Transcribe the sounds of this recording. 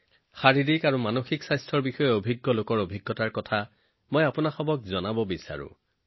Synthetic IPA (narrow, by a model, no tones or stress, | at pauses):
xaɹidikaɹumanoxiksajstʰɹɔɹbixɔjɛobʱiɡːɔlokɔɹobʱiɡːɔtaɹkɔtʰa | mojapʊnaxɔbɔk̚zɔnabɔbisa̰ɹʊ̰̃